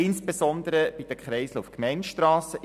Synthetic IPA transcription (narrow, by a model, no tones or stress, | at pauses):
ɪnsbesɔnd̪əɾəb̥id̥̪əkχɾɛɪsləufkmɛɪnʃtrɑːsə